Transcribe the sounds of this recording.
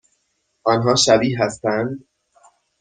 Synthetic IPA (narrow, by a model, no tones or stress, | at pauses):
ʔɒːnɦɒːʃæbiːɦæst̪ænd̪